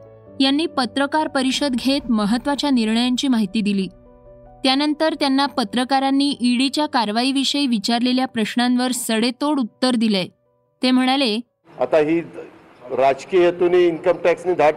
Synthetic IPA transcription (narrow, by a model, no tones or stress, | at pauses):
janːiːpət̪ɾəkaɾpəɾiɕəd̪ɡʱet̪məɦət̪ːʋat͡ɕjaniɾɳəjaɲt͡ɕiːmaɦit̪iːd̪iliː | t̪janənt̪əɾt̪janːapət̪ɾəkaɾanːiːʔiɽit͡ɕjakaɾʋaiːʋiɕəiʋit͡ɕaɾleljapɾəɕɳanʋəɾsəɽet̪oɽut̪ːəɾd̪ile | t̪em̤əɽ̃ale | a̰t̪aɦiː | ɾad͡zkijət̪uniinkəmʈæksnid̪ʱaʈ